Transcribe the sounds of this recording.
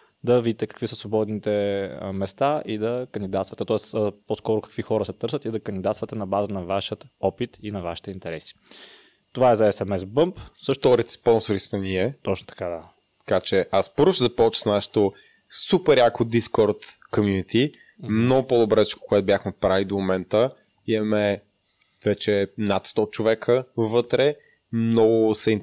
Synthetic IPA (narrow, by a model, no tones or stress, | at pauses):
d̪ɐvid̪it̪ɛkɐ̥kvisəsvobɔd̪nit̪ɛmɛst̪aʔid̪ɐkənd̪id̪at̪st̪vət̪ɛt̪ɔɛst̪poskɔɾʊkɐ̥kvixɔɾəsɛt̪ɤɾsət̪id̪ɐkənd̪id̪at̪t̪vət̪ɛnɐbazənɐvaʃət̪ɔpit̪inɐvaʃi̥t̪ɛint̪ɛɾɛsi̥ | t̪ovaɛzɐɛsɛmɛsbɤmpsəʃt̪ɔɾit̪ɛ̥spɔnsoɾismɛniɛt̪ɔt͡ʃno̥t̪ɐ̥kad̪a | t̪ɐ̥kat͡ʃɛʔaspəɾvʊʃt̪ɛzɐpɔt͡ʃəsnaʃɛ̥t̪o | supɛɾjakod̪iskɔɾt̪komjunit̪i | mnɔɡʊpod̪obɾɛ̥ko̥koɛt̪obʲjaxmɛpɾalid̪omomɛnt̪ə | imɐmɛ | vɛt͡ʃɛnat̪st̪ɔt͡ʃovɛkʰəvɤt̪ɾɛ | mnɔɡʊsɛin